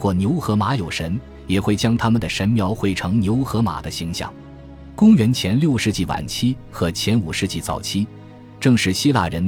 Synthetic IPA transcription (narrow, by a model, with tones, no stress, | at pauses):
xwɔ˥˩njo˧˥ʊxɤ˧˥ma˧˥jo˨˩ʊʂə˧˥n | jɛ˨˩xwe˥˩ɪt͡ɕjɑ˥ŋt̪ʰa˥mə˨nd̪ə˩ʂə˧˥nmjɑ˧˥ʊxwe˧˩ɪʈ͡ʂʰɤ˧˥ŋnjo˧˥ʊxɤ˧˥ma̰˨˩d̪ə˦ɕi˧˥ŋɕjɑ̰˥˩˦ŋ | kʊ˥ŋɥɛ˧˥nt͡ɕʰjɛ˧˥nljo˥˧ʊʂɻ̩˥˧t͡ɕi˥˩wa̰˨˩nt͡ɕʰi˥ | xɤ˧˥t͡ɕʰjɛ˧˥nu˨˩ʂɻ̩˥˧t͡ɕi˥˩t͡sɑ̰˨˩ʊt͡ɕʰi˥ | ʈ͡ʂɤ˥˧ŋʂɻ̩˥˩ɕi˥la̰˥˩ɻə˧˥n